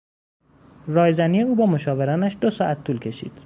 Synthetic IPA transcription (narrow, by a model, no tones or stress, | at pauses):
rɒːjzænijeuːbɒːmo̞ʃɒːve̞ɾɒːnæʃd̪o̞sɒːʔæt̪ʰːuːlcʰe̞ʃḭːd̪̥